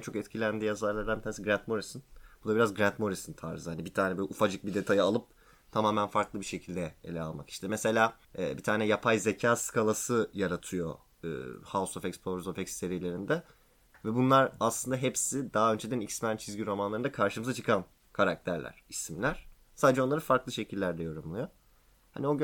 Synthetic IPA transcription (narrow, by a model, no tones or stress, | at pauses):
ɛnt͡ʃʰo̞kɛt̪̚cʰilʲænd̪iːjazaɾlˠaɾd̪anbianesiɡɾænt̪̚mo̞ɾisɯnb̥ud̪abiɾazɡɾænt̪mo̞ɾisɯnt̪ʰa̰ɾzɯhanibit̪ʰaːnɛbølʲufad͡ʒɯk̚bid̪e̞t̪ʰajɯalˠɯp̚ | t̪ʰamaːmænfaɾklˠɯbiʃe̞cʰilʲd̪ɛelʲɛalˠmaki̥ʃt̪ʰɛmɛse̞lʲaː | ɛ̰ːbit̪ʰaːnɛjapʰajze̞cʰaːskʰalˠasɯjaɾat̪ʰɯjo̞̰ | ɯ̰ːhasofɛcspʰlˠoɾzofɛcsːe̞ɾijelʲe̞ɾind̪ɛ | vɛbunlˠaɾaslˠɯnd̪aɦepsid̪aːø̞nd͡ʒed̪ænicsmænt͡ʃʰizʲɟiɾo̞manlˠaɾɯnakʰaɾʃɯmɯzat͡ʃʰɯ̥kʰan | kʰaɾak̚t̪ʰæɾlʲæ̰ɾ̥ismlʲæɾ̥ | saːd̪ed͡ʒɛo̞nˠaɾɯfaɾklˠɯʃe̞cʰilʲːæɾd̪ɛjo̞ɾumlˠujo | ha̰nio̞ɡ